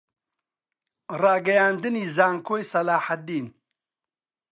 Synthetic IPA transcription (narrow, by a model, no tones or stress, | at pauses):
raːɡɐjaːnd̪ɨniːzaːŋkʰoːjsɐlaːħad̪iːn